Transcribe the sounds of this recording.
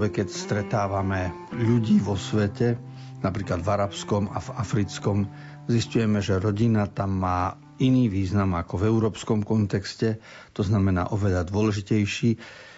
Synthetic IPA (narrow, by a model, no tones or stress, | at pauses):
ʋɛkɛcst̪ɾɛt̪aːʋamɛ | ʎuɟiːʋɔsʋɛcɛ | napɾiːklad̪vaɾapskɔma̰vafɾit͡skɔm | ziscujɛmɛʒɛɾɔɟinat̪amːaː | iniːʋiːznamakɔvɛuɾɔːpskɔmkɔnt̪ɛkscɛ | t̪ɔznamɛna̰ːʔɔʋɛʎad̪ʋʊɔlɛʒicɛjʃiː